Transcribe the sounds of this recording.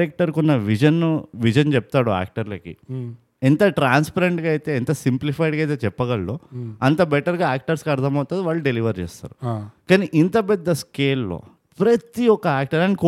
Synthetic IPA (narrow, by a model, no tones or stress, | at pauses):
ɛk̚ʈɐɾkunːɐʋid͡ʒɐnːuʋid͡ʒɐnt͡ʃɛp̚t̪aːɽua̰ːk̚ʈɐɾlɐkḭ | ɛnt̪ɐʈɾaːnspɐɾeɳʈɡaːjit̪eːɛnt̪ɐsimplipʰɐjɖɡaːjt̪eːt͡ʃɛpːɐɡɐɭːoɐnt̪ɐbɛʈɐɾɡaːaːk̚ʈɐɾskɐɽd̪ɐmɐwt̪aːd̪iʋaːɭːuɖeliʋɐɾt͡ʃɛːst̪a̰ːɾukaːniʔint̪ɐpɛd̪ːɐskeːlːo̰ː | pɾɐt̪iɔkɐaːk̚ʈɐɾanik